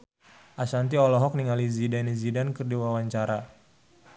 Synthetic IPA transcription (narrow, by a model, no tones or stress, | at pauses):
ʔasant̪̬iɔlɔɦɔk̚niŋalizidanizidankɨrdiwawaɲt͡ʃaɾa